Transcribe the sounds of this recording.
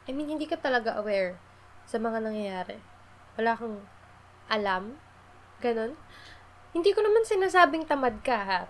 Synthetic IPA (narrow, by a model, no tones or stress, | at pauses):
ʔɐjɪhɪnd̪iːkɐt̪ɐlɐɡaʔɐwɛɹ | sɐmɐŋanɐŋjɐjaːɾɛ̰ | wɐlaːkɐŋ | ʔɐlam | ɡɐno̞n | hɪnd̪iːkonɐmansɪnaːsaːbɪŋt̪ɐmad̪̚kɐɦa